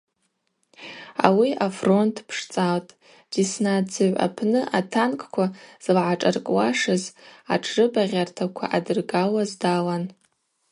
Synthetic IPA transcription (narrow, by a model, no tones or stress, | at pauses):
a̰wiafro̞ntʰpʰʂt͡sʼawtʼ | d̥isnad͡zɨʕʷa̰pʰnɨʔatʰankʼkʷʰaz̥lʕaʈ͡ʂʼarkʼwaʂɨzaʈ͡ʂʰrɨbaʁʲartʰakʷʰa̰ʔadɨrɡalazdalan